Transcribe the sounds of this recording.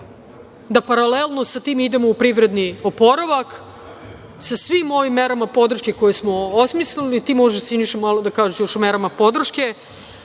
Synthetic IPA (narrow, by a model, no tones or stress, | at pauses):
d̪apaɾalelˠno̞sat̪iːmid̪emo̞upɾiʋɾe̞d̪niopo̞ɾaʋak | sasʋimo̞ʋimːeɾamapo̞d̪r̩ʃke̞ko̞jesmo̞osmislilit̪iːmo̞ʒeʃsiniʃemaːlˠod̪akaːʒeʃjoʃmeɾamapo̞d̪r̩ʃke